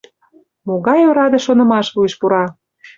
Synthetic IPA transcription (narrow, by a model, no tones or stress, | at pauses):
moɣɑjoɾɑd̪eʃonɤ̆mɑʃβueʃpuɾɑ